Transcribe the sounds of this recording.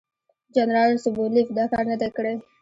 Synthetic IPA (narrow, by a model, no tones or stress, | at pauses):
d͡ʒanɾɑlsʊbulifd̪ɑkɑɾnəd̪ekəɽe